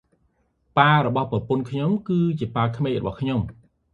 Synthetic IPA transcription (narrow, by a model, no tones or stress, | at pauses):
paːɾɔɓɑhprɑpunkʰɲomkɨːt͡ɕiəpaːkʰmeːjrɔɓɑ̰hkʰɲom